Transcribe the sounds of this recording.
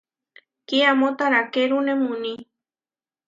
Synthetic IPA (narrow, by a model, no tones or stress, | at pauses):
kiamot̪aɾakeɾunemuni